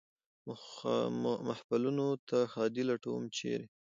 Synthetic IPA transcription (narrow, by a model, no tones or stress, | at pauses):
mahpalunot̪ʰaxɑd̪ilaʈowmt͡ʃḛɾe